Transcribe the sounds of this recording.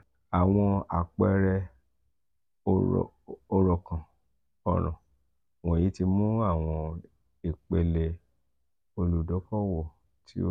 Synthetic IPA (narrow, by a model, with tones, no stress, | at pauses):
a˨w̃ɔ̃˧a̰˨k͡pɛ˧ɾɛ˧˨ | o˧ɾɔ˨kã˨ | ɔ˨ɾ̃ɔ̰̃˨ | wɔ̃˨ji˨˦ti˧mũ˦a˦˨w̃ɔ̃˧ | i˨k͡pe˨le˧ | o˧lu˨dɔ˨˦fɔ˦wɔ˦˨ | tʰḭ˦o˦